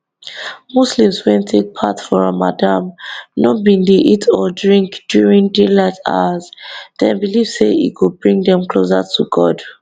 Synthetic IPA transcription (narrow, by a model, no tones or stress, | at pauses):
muslĩmswɛ̃ntʰek̚pʰatfɔɹamadamnɔbĩndeʔitʰɔdɹĩŋkd̥juɹĩŋdelata̰azdɛ̃nbiliv̥seḭkubɹĩŋdɛ̃mkʰlosa̰tʰuɡɔd